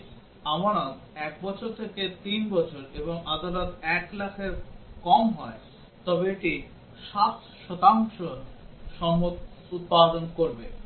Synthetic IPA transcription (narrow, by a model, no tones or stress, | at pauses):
amaɽ̃ad̪ | ɛk̚bɔt͡ɕʰoɾt̪ʰeket̪inbɔt͡ɕʰoɾeboŋad̪alot̪ɛklakʰeɾkɔmɦɔe | t̪ɔbeeʈi | ʃat̪ | ʃɔt̪aŋʃoʃɔmːot̪ | ut̪̚pad̪onkoɾbe